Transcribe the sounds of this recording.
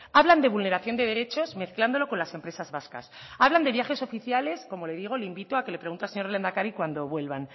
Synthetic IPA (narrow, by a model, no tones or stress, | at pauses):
aβland̪e̞β̞ulne̞ɾaθjo̞nd̪e̞ðe̞ɾe̞t͡ʃo̞zme̞θkland̪o̞lo̞ko̞nlase̞mpɾe̞sazβaska̰s | aβland̪e̞βjaxe̞so̞fiθjale̞sko̞mo̞le̞ðiɣ̞o̞leimbit̪oakele̞pɾe̞ɣunt̪ealseɲo̞ɾrlend̪akaɾikwand̪o̞βwe̞lβan